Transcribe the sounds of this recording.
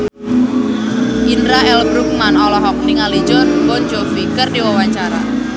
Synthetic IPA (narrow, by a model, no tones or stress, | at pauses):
ʔindɾaɛlbɾuk̚manɔlɔɦɔk̚niŋali̥d͡ʒɔrbɔnd͡ʒofikərdiwawaɲt͡ʃaɾa̰